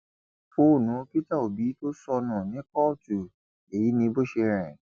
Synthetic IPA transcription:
pʰo˦˨nũ˨˦o˦pi˦ta˦˨o˨bi˨˦to˦sɔ˧nã˨nĩ˨˦kɔ˦˨tu˨ | e˨ji˨˦nĩ˧˦bo˦ʃe˧ɾ̃ɛ̰̃˨

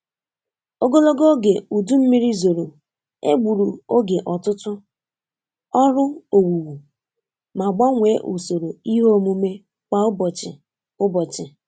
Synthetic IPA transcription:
o˦ɡo˦lo˦ɡo˦ɡe˨u˨du˦m̩˦mi˦ɾi˦zo˨ɾo˨ | ḛ˦ɡ͡bu˨ɾu˨o˦ɡe˨ʔɔ˨tʊ˦tʊ˦ | ɔ˦ɾʊ˦o˨wu˨wu˨ | ma˨ɡ͡ba˦ŋʷe˨˦ʔu˨so˨ɾo˨i˦ɦo˦o˦mu˦me˦ | k͡pa˨ʊ˦bɔ˨t͡ʃɪ̰˨ | ʊ˦bɔ˨t͡ʃɪ˨

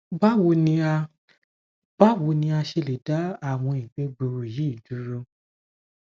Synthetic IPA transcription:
ba˦wo˧nĩ˧a˧ | b̥a˦wo˧˦nĩ˧a˧ʃe˧le˨da˦a˦˨w̃ɔ̃˧i˨ɡ͡be˨˦ɡ͡bu˧ɾu˧ji˨˦˨du˨˦ɾo˧

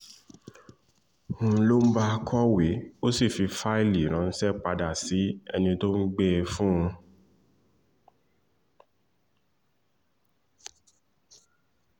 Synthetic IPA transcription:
ũ˧˦lo˦m̩˦ba˦˧kʰɔ˦we˨˦o˦si˦˨fi˧fa˦i˦˨li˨ɾ̃ã˨˦n̩˦sɛ˦˨k͡pa˧da˨si˨˦ɛ̰˧nĩ˧to˦ŋ̩˦ɡ͡be˦˧fũ˦ũ˧

